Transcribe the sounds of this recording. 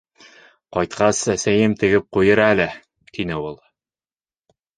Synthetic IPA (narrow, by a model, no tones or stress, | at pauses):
qɒjt̪qʰɑsæsæjɘmt̪ɘ̆ɡɘp̚qujɤɾælɘ | t̪inɘulˠ